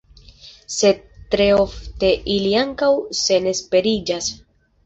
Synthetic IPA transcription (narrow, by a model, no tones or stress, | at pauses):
se̞d̚tɾe̞o̞fte̞ʔiliaŋkawse̞ne̞spe̞ɾid͡ʒas